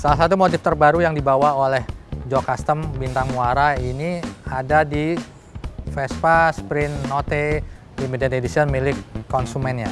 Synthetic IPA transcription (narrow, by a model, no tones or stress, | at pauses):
salas̬at̪umot̪ɪft̪ərbaɾujaŋdibawaolɛhd͡ʒokast̪əmbint̪aŋuaɾainiadadi | fɛspaspɾɪnːot̪ɛ | dimidianedisiənmilɪkːɔnsumɛnɲa